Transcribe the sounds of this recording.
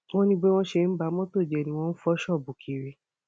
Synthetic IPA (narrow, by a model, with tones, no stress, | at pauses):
wɔ̃˦nĩ˧ɡ͡bɛ˦w̃ɔ̃˧ʃe˧˦ba˧˦mɔ̃˦to˦˨d͡ʒɛ˨nĩ˧w̃ɔ̃˧n̩˦fɔ˦ʃɔ˦˨bu˨kʰi˨ɾe˨